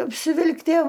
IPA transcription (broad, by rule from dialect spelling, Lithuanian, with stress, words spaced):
ɐpʲsʲɪˈʋʲɪlˠktʲiɛ